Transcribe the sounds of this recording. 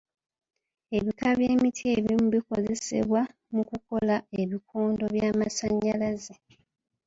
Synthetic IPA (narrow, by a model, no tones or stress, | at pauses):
e̞βikaβje̞ːmitʰie̞βimuβiko̞ze̞se̞̰βwa | mukuko̞lae̞βikʰoːndo̞βjaːmasaɲːalaze